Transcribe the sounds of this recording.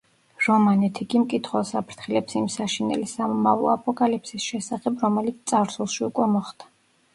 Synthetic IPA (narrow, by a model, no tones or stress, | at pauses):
ɾɔmanɛt̪ʰiɡimkʼit̪ʰχwɔsapʰɾt̪ʰχilɛpsimsaʃinɛ̰lisamɔmavlˠɔ̰apʼɔkʼalipsisʃɛsaχɛbɾɔmɛlit̪sʰt̪ʼaɾsulˠʃiukʼwɛmɔχd̪̥ḁ